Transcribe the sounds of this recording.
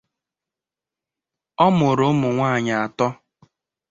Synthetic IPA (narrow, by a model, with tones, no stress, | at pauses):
ɔ˦mʊ˨ɾʊ˨˦mʊ˨ŋʷaː˦˨ɲa˨a˨tɔ˦